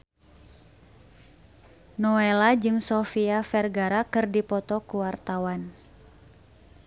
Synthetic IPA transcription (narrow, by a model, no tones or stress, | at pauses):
nɔɛlad͡ʒɨŋsɔfiafɛrɡaɾakɨrdipɔt̪ɔkuwart̪awan